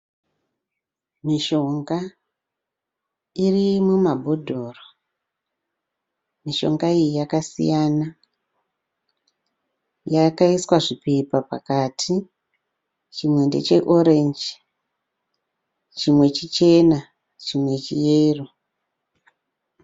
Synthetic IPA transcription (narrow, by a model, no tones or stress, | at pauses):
miʃo̞ŋɡa | irimumabʱodʱoːro | miʃo̞̰ŋɡaijijakasḭjana | jakaiswaʐipepapa̰katʰi | t͡ʃimwe̞nde̞̰t͡ʃe̞ʔoɾend͡ʒ | t͡ʃimwe̞t͡ʃit͡ʃe̞na | t͡ʃimwe̞t͡ʃijeːro